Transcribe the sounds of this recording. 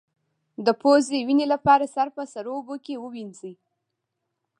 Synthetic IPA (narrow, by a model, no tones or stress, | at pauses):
d̪əpozewinelapɑɾasaɾpəsaɾobokewəwinzi